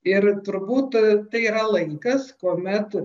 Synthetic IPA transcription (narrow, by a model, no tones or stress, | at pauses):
ɪrt̪ʊɾbuːt̪t̪ɐɪiːɾɐlˠɐɪŋkɐskuɔmʲɛt̪